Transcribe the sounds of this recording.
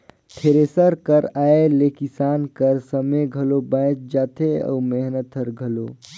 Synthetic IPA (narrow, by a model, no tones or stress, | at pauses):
ʈʰeɾeːsəɾkəɾaːelekisaːnkəɾsəmeɡʱəlobə̃ːt͡ʃd͡ʒaːt̪ʰeə̰ːmeɦnət̪ʰəɾɡʱəlo